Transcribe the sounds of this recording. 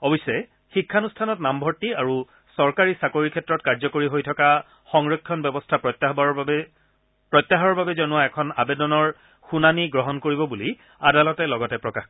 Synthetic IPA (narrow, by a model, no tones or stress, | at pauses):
ɔbisɛ | xikʰːanustʰanɔtnambʱɔɹtːiaɹu | sɔɹkaɹisakoɹikʰɛtɹɔtkaɹzɔkoɹiɦojtʰɔka | xɔŋɹɔkʰːjɔnbjɔbɔstʰaptb | pɹɔt̪jaɦɔɔɹbabɛzɔnʊaɛkʰɔna̰bedɔnɔɹ | xunaniɡɹɔɦɔnkoɹibɔbuli | adalɔtɛlɔɡɔtɛpɹɔkax